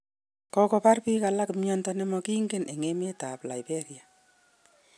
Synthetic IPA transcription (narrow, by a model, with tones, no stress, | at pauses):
kɔkɔ˧pa˦rpi˦ka˨la˦kmjɔ˦ntɔnɛ˦mɔ˧ki˦ŋɡe˦nʔe˨ŋe˦me˦ta˨pla˨jbe˦ɾja˨